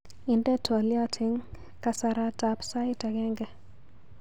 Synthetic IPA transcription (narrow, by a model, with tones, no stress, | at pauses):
i˨ndɛ˦tʰɔ˨ljɔ˦tʰɪ˨ŋ | kasaɾatapsa˦ɪtaɡɛ˦ŋɡɛ